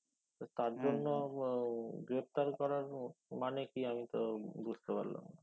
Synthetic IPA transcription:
t̪ot̪aɾd͡ʑonːo | ɡɾep̚t̪aɾkɔɾaɾmanekiamit̪obust̪epa̰ɾla̰m

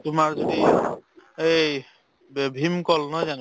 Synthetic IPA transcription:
tʊmaɹzodi | ej | bʱimkɔlnɔjzan

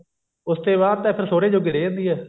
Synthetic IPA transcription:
ʊst̪eːβaːd̪̚t̪ãːpʰɪɾsoːɾẽːd͡ʒoːɡɪɽeːə̃ːnd̪iːɛː

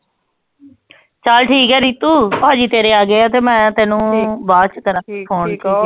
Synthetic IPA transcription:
t͡ʃalʈʰiːkɦɛːɾiːt̪uːpãːd͡ʒiːt̪eːɾeːaːɡeːat̪eːmɛ̃ːt̪ɛːnũːbaːt͡ʃk̪əɾãpʰoːnkiː

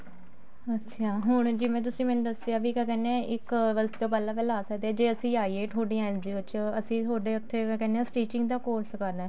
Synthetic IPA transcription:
ət͡ʃʰaːɦʊɳ̃d͡ʒɪʋẽːt̪̬ʊsĩːmɛ̃ːnũːd̪əseaːʋikɛkɛːnẽːɪkət̪oːpəlaːpəlaːsəkd̪eɛːd͡ʒeːəsĩːaːiːeːʈʰoːɖijãːɪ̃nd̪iːʋɪt͡ʃəsĩːt̪ʰoːɖeːʊt̪ʰːeːkɛkɛːneaːsʈiːt͡ʃɪ̃ŋɡd̪aːkoːɾskəɾd̪ɛ̃ː

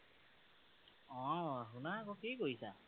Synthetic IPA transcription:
ɔ̃ɦunakɔkikoisa

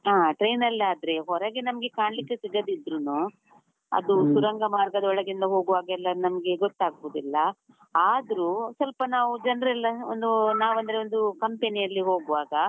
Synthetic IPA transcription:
aːʈɾejnɐlːaːd̪ɐɾe̞ɦɔɾɐɡenɐmɐɡe̞kaːɳlikːesiɡɐd̪id̪ɾunu | ɐ̰d̪usuɾɐŋɡɐmaːɾɡɐd̪ɐɔɭɐɡind̪ɐɦo̞ːɡuʋaːɡɛlːɐnɐmɐɡe̞ɡɔt̪ːaːɡɐbud̪ilːɐ | aːd̪ɐɾuːsɐlpɐnaːʋud͡ʒɐnɾɛlːɐo̰nd̪unaːʋɐnd̪ɐɾeond̪ukɐmpenijɐlːiɦo̞ːɡuʋaːɡɐ

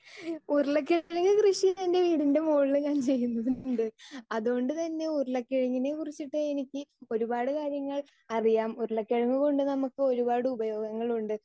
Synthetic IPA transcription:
urɐɭɐkːeɻɐŋːɐkrɨʂit̪inde̞ʋiːɽinde̞moːɭːɐɣaːnt͡ɕe̞jːunːɐðuɳɖɨɐðuoɳɖɨt̪ɐnːe̞urɐɭɐkːeɻɐŋːine̞kurit͡ɕːiʈːɨenikʲːɨo̞ɾubaːɽɨkaːɾjɐŋːɐɭ | ɐrijaːmurɐɭɐkːeɻɐŋːuɣo̞ɳɖɨnɐmukːɨo̞ɾubaːɽɨubɐjo̞ːɡɐŋːɐɭuɳɖɨ

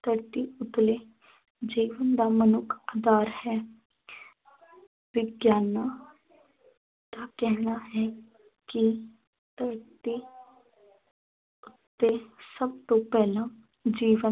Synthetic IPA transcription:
t̪əɾt̪iːʊt̪leː | d͡ʒiːʋənd̪aːmənʊkʰaːd̪aːɾhɛː | ʋɪɡjaːnaː | t̪akɛɦnaɦɛː | ki | t̪əɾt̪i | ʊt̪ːesəbt̪õːpɛːlãː | d͡ʒiːʋə

